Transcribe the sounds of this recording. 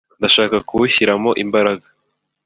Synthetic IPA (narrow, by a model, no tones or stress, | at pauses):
ndaʃaːkakuuçiɾamo̞ʔimbaɾaɡa